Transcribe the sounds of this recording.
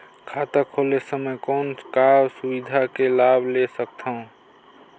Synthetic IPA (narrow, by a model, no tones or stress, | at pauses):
kʰat̪akʰolesəməjkɔːnkabsubid̪ʱakelabʱlesək̚t̪ʰaũ